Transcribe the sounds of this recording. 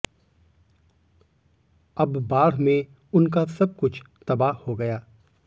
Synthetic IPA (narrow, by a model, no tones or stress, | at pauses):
ɐbːaːɽ̤mẽ | ʊnk̬asɐb̚kʊt͡ʃʰt̪ɐbaːɦhoɡɐjaː